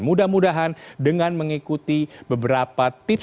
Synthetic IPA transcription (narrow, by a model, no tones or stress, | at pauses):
mudahmudaɦandəŋanməŋikut̪ibəbəɾapat̪ɪp̚